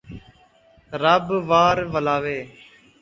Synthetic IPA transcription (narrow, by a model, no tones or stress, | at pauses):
ɾəbʋaːɾʋəlaːʋeː